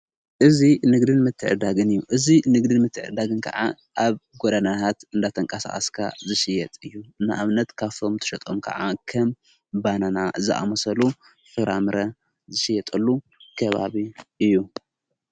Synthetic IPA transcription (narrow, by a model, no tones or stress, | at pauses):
ʔɨzinɨɡd̪ɨnmɨt̪ʰːɨʕɨ̰d̪aɡɨnɨjːuʔɨzinɨɡd̪ɨnmɨt̪ʰːɨʕɨ̰d̪aɡɨnkʰɐ̰ʕa | ʔaβɡod̪anat̪ʰat̪ɨnd̪at̪ʰɐŋkʼɐsa̰xʼɐskʰa̰zɨʃɪjɛt̪ʼɨjːuɨnaʔaβnɐt̪kʰaft̪ʰo̞mt̪ʰɐ̥ʃɐt̪ʼomkʰɐ̰ʕakʰɐm | bananaɨzɨʔa̰mɐsɐlu | fɨɾamɨɾɐ | zɨʃɪjːɛt̪ʼɐlːu | kʰɐβa̰βiʔɨjːu